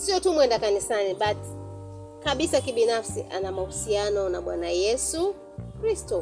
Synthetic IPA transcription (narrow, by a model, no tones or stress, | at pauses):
siɔtumwɛndakanisaniɓat | kaɓisakiɓinafsḭʔanamahusianɔnaɓwa̰najɛsu | kɾistɔ